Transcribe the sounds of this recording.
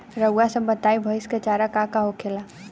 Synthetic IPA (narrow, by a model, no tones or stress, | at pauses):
ɾəwasə̃mbət̪aːibʱəɪskat͡ʃaːɾakakaɦokʰela